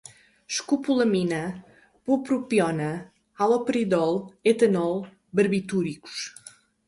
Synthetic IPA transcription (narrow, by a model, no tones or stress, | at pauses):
ʃkupulˠɐminɐ | pupɾupjɔnɐ | alˠɔpɾiðɔlˠet̪ɐnɔlˠ | bɐɾβit̪uɾiku̥ʃ